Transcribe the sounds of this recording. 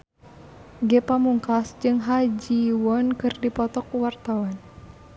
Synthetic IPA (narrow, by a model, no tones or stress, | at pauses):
ɡɛpamuŋkasd͡ʒɨŋɦad͡ʒiwɔnkɨrdipɔt̪ɔk̚uwart̪awan